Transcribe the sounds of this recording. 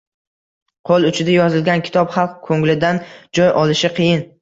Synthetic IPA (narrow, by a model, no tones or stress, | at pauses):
qʰolˠʊt͡ʃʰɪd̪ajɒzɪlɡʲankʲɪ̥t̪ʰɒpχɑlˠq̚kʰoŋlɪd̪and͡ʒɒjʔɒlˠɪʃɪqʰɨjɪn